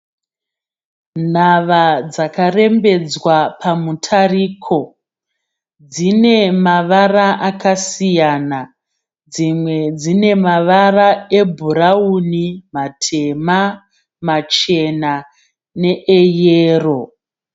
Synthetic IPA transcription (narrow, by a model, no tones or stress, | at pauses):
n̤aʋad͡zakare̞mbe̞d͡zwapʰamutʰariːkʰo̞ | d͡zine̞maʋaraʔakasijana | d͡zimwe̞d͡zine̞maʋarae̞bʱuɾaunimatʰe̞ma | mat͡ʃe̞na | ne̞ʔejeːro̞